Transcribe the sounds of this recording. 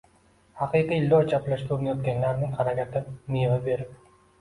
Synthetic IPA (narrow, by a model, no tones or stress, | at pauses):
hɑqijqiɪlːot͡ʃʰaplaʃt̪uɾmajɒt̪̚kʲanlaɾnɪŋχɑɾakʲat̪ɪnijevabe̞ɾɪp̚